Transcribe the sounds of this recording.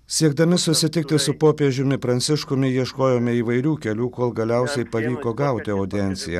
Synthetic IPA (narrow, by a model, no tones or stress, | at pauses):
sʲiɛɡd̪ɐmʲɪsʊsʲɪt̪ʲɪk̚t̪ʲɪsʊpoːpʲeɛʒʲʊmʲɪpɾɐnʲt̪sʲɪʃkʊmʲɪjiɛʃkoːjoːmʲɪiːʋɐɪɾʲuːkʲɛlʲuːkoːlˠɡɐlʲæˑʊsʲɛɪpɐʋʲiːkoːɡɐˑʊt̪ʲɪod̪ʲɛnʲt̪sʲɪjɛ̰